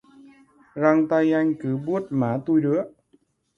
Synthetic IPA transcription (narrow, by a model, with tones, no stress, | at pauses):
ɾa˧ŋt̪a˧ja˧ŋkɯː˨˩˦bu˥˩ət̪̚maː˨˦t̪uː˧jɾɯ˦˥ə